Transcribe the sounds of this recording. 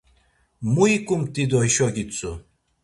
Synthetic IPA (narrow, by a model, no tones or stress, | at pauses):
muikʼumt̪ʼid̪ɔiʃɔɡʲit͡sʼu